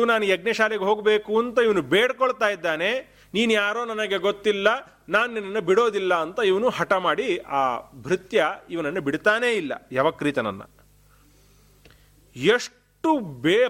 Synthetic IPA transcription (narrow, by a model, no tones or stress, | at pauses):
naːnujɐɡnɐʃaːleɡeɦoːɡbe̞ːkuɐnt̪ɐiʋɐnubeːɽkɔɭt̪aːjid̪ːaːne̞ | niːnujaːɾoːnɐnɐɡe̞ɡot̪ːilːɐ | naːnuninɐnːɐbiɽo̞ːd̪ilːɐːnt̪ɐiʋɐnuhɐʈɐmaːɽiaːbʱɾit̪jɐiʋɐnɐnːɐbiɽt̪aːne̞ːilːɐ̰jɐʋɐkɾit̪ɐnɐ̰nːɐ̰ | eʂ | ʈube